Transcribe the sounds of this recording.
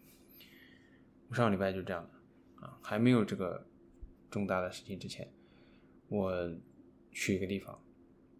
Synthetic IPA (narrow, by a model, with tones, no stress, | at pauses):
wɔ˨˩ʂɑ˥˩ŋli˨˩pa˥˧ɪt͡ɕo˥˧ʊʈ͡ʂɤ˥˧jɑ˥˩ŋd̪ə˩ | ɐ̰˧xa˧˥ɪme˧˥ɪjo˨˩ʊʈ͡ʂɤ˥˩ɡə̰˩ | ʈ͡ʂʊ˥˧ŋt̪a˥˩d̪ə˩ʂɻ̩˥˩t͡ɕʰi˥ŋʈ͡ʂɻ̩˥t͡ɕʰjɛ̰˧˥n | wɔ˨˩ | ɕʰy˨˩i˧˥ɡə˧t̪i˥˩fɑ̰˨˩˦ŋ